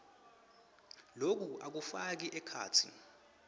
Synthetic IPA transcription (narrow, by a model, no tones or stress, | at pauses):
lok̬uʔak̬ufak̬iʔɛkʰa̰ːtʰḭ